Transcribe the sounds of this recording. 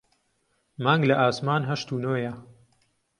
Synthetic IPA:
maːŋɡlɐʔaːsmaːnɦɐʃt̪uːnoːjɐ

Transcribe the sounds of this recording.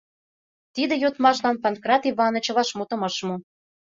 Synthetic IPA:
t̪id̪ĕjot̪mɑʃlɑnpɑnkrɑt̪iβɑnɤ̆t͡ɕɤ̆βɑʃmut̪ɤ̆mɑʃmu

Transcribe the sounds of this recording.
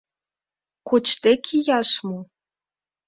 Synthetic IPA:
kot͡ɕt̪ekʰijɑʃmo

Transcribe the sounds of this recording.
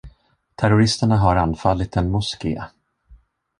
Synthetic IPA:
t̪ʰæɾʊɾɪst̪əɳaɦaɾanfalːɪt̪ɛnmʊskḛː

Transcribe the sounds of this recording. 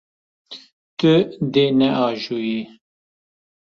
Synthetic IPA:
t̪ɨd̪eːnɛʔɑːʒuːji

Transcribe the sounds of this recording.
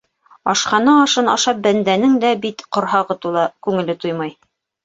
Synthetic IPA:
ɑʃqɑnɤɑʃɤnɑ̰ʃɑp̚bænd̪ænɘŋd̪æbit̪qŏɾɦɑʁɤt̪ulˠɑkʉŋɘ̆lɘt̪ujmɑj

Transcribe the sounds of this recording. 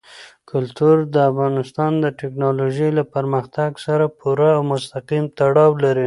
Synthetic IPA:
kʰʊlt̪uɾd̪əafɣɑnɪst̪ɑnd̪əʈɪknɑloʒəjlapaɾməxt̪aɡsaɾapʰuɾaːwmʊst̪aqimt̪aɽɑwlaɾi

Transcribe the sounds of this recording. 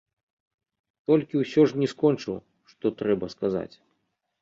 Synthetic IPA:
t̪ɔlʲkʲiwsʲɔʐnʲɛskɔnt͡ʂɨlˠɐ̰ | ʂt̪ɔt̪ɾɛbɐskaza̰t͡sʲ

